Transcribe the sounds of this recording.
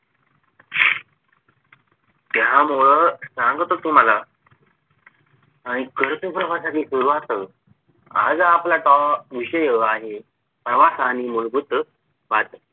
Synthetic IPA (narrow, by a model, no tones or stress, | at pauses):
t̪jɦamoɭəsãŋɡt̪ot̪um̤ala | aɽ̃ikəɾt̪upɾəʋasãkisuɾuat̪ə | a̰d͡zaplaʈɔʋiɕəjəaɦi | pɾəʋasañimuɭbut̪ | ʋat̪ə